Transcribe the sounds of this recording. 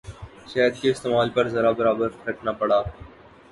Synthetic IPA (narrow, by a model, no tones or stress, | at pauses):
ʃɛːɦd̪̚keɪst̪eːmaːlpɐɾzɐɾabɐɾaːbəɾɾəkʰnapɐɽaː